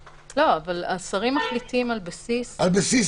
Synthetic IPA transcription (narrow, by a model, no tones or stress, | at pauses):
lo̞avalasaʁimːaχlitimalbasisalbasis